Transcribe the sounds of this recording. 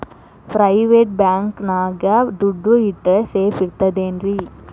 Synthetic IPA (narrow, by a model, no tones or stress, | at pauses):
pɾɐjʋeːʈ̚baːŋknaːɡɐd̪uɖːuiʈːɐseːfiɾt̪ːɐd̪eːnɾi